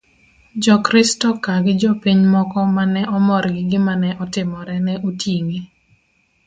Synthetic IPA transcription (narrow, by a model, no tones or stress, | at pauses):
d͡ʒɔkɾɪstɔkaɡɪd͡ʒɔpiɲmɔkɔmanɛʔɔmɔɾɡɪɡɪmanɛʔɔtɪmɔɾɛnɛʔotjiŋi